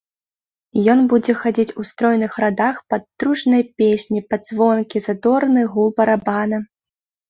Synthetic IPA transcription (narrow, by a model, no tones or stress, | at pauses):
jɔnbud͡zʲɛxad͡zʲit͡sʲust̪ɾɔjnɨxɾad̪axpɐt̪ːɾuʂnɐjpʲesʲnʲipɐd̪zvɔnkʲizad̪ɔɾnɨɣulˠbɐɾabanɐ